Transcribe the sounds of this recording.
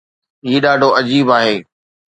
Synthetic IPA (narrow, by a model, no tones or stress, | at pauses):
iːɗaːɖʱoɐd͡ʑiːbaːɦeː